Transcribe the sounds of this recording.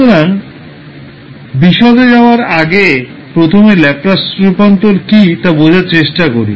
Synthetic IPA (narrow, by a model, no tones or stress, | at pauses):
oɾan | biʃɔd̪ed͡ʑaoaɾaɡe | pɾot̪ʰomelɛp̚ɾasɾupant̪oɾkit̪abod͡ʑʱaɾt͡ɕeʃʈakoɾḭ